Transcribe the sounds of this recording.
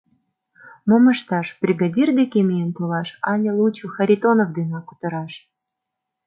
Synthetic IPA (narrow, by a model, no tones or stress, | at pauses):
mŏmə̆ʃt̪ɑʃb̥rʲiɡadʲird̪ekemʲejənt̪olɑʃɑnʲelˠut͡ɕuxaɾʲit̪onovd̪enɑku̥t̪ɤ̆ɾɑʃ